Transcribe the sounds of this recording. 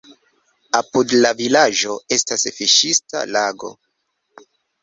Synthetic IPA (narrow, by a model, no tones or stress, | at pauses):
apudlavilad͡ʒo̞e̞stasfiʃista̰laɡo̞̰